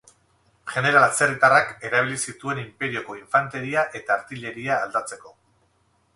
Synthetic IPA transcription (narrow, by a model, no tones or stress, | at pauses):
ʝe̞ne̞ɾalt͡serit̪arake̞ɾaβ̞ilisit̪ue̞nimpe̞ɾio̞ko̞iɱfant̪e̞ɾiaʔe̞t̪aːɾt̪iʎe̞ɾiaːld̪at͡se̞ko̞